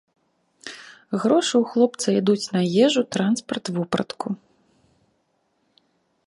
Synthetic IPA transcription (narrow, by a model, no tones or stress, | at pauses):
ɣɾɔʂɨwxlˠɔp̚t̪sɐid̪ut͡sʲnɐjɛʐut̪ɾanspɐrt̪vupɾɐ̰t̪kʰu